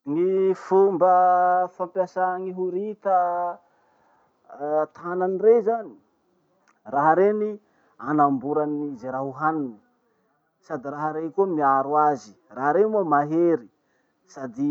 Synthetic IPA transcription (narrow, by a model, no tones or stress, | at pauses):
ŋifumbəfampjasaŋiɦuɾit̪ə | t̪ʰaananirezani̥ | raɦaɾeni | anambuɾanizeɾaɦuɦanini̥ | sad̪iɾaɦaɾekumiaɾuazi | raɦaɾemumaɦeɾi | sad̪i